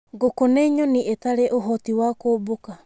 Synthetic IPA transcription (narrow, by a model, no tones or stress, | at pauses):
ɡokoneiɲoniʔetaɾeʔoɦotiwakoboka